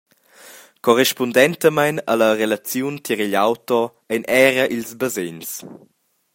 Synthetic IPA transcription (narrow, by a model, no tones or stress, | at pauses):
kɔrɛʃpundɛnt̪əmajna̰ləɾelat͡sjunt̪ʰiɾiʎawtɔ | ɛjnɛːɾəʔilzbəzens